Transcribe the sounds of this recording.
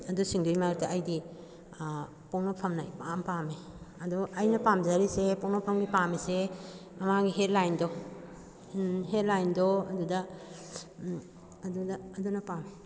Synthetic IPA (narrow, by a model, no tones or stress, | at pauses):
ɐdusiŋdujmaɾutaɐjdi | poŋnɔpʰɐmnɐpampame | ɐdɔɐjnɐpamd͡ʒaɾisepɔŋnɔpʰɐmɡipamisemɐmaɡiɦet̚lajndɔ | ɦet̚lajndɔɐdudɐ | ɐdudɐːdunɐpame